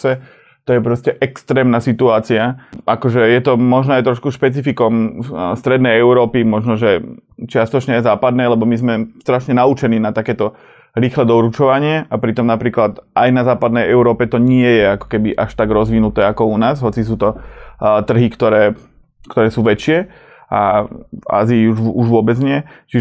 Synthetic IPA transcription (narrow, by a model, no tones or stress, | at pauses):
ɛ | t̪ɔjɛpɾɔscɛʔɛkst̪ɾɛːmnaːsit̪uaːt͡siaakɔʒɛjɛt̪ɔmɔʒnɔajt̪ɾɔʃkuʃpɛt͡sifikɔmst̪ɾɛd̪nɛjɛʊɾɔːpimɔʒnɔʒɛt͡ʃɪast̪ɔt͡ʃɲɛɛzaːpad̪nɛːlɛbɔmizmɛst̪ɾaʃɲɛnaut͡ʃɛniːnat̪akɛːt̪ɔ | ɾiːxlɛd̪ɔɾut͡ʃɔʋaɲɪɛʔapɾit̪ɔmnapɾiːklat̪ʔajnazaːpad̪nɛjɛʊɾɔːpɛt̪ɔɲɪɛjɛakɔ̥kɛbiʔaʃt̪aɡɾɔzʋinut̪ɛːakɔunaːzɦɔt͡sis̬uːt̪ɔt̪r̩ɦikt̪ɔɾɛː | kt̪ɔɾɛːsuːʋɛt͡ʃɪɛ | ʔava̰ːziːuʒuʒʋʊɔbɛd͡zɲɪɛt͡ʃi